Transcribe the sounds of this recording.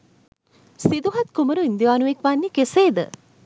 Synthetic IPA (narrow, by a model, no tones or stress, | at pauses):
sid̪uɦat̪kuməɾuind̪iʋaːnuʋekʋanːikeseːd̪ə̰